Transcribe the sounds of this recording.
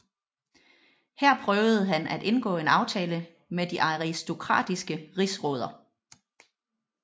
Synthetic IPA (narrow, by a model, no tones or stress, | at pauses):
hæɐ̰pʰʁœːʊð̞̩ˠɦænʔæd̥e̝nɡ̥ɔ̰̽ːe̝nɑ̈ʊt͡sʰɛːlə | med̥iʔɑ̈ʁisd̥o̝kʰʁɑ̰̈d̥isɡ̥əʁisʁɔ̽ːð̞ˠɐ